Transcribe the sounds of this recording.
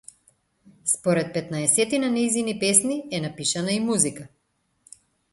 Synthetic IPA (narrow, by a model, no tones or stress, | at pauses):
spɔɾɛt̪̚pɛt̪naɛsɛt̪inanɛjzinipɛsniɛnapiʃanaimuzika